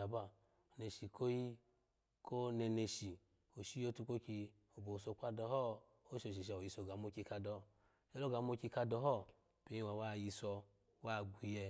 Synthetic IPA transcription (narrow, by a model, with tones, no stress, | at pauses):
a˨ba˦˨ | ne˨ʃi˨kʰo˦ji˦ | ko˦nɛ˧ne˧ʃi˨ | o˨ʃi˦jo˦tu˧ko˦ki˧ | o˨bo˨so˧˨k͡pʷa˧dɔ˧hɔ˦ | o˦ʃo˨ʃ̬i˨ʃ̬a˧˨o˨ji˧sɔ˧˨ɡa˨˦mo˦˧ki˧ka˧dɔ˧˨ | ɛ˦lo˦ɡa˨˦m˦o˧ki˧ka˧dɔ˧ɦɔ˦˨ | pe˨˦i˦wa˨wa˦˨ji˧sɔ˧ | wa˦˨ɡʷi˧jɛ˧